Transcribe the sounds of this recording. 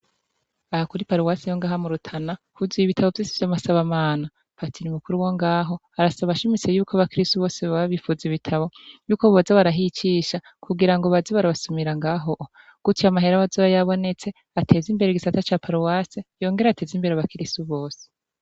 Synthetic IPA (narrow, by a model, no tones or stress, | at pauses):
ahakuɾipaɾuwasejoŋɡaːɦamuɾutʰana | huzijiβitʰaβo̞vjosivjamasaβamaːna | patʰiɾimukuɾuwoŋɡaːɦo̞ | aɾasaβaʃimit͡se̞juːkʰaβakiɾistuβo̞ːseβaβaβifuːziβitʰaβo̞juːko̞βozeβaɾaɦit͡ʃiːʃa | kuɡiɾaŋɡoβazeβaɾaβasumiɾaŋɡaːɦo̞ʔ | ɡ̥utʰiamaɦe̞ɾaβazoβajaβo̞ne̞t͡se̞ | atʰe̞ːzimbe̞ɾeɡisatat͡ʃaːpʰaɾuwaːsejo̞ːŋɡe̞ɾeatʰe̞ːzimbe̞ɾeaβakiɾistuβo̞ːse̥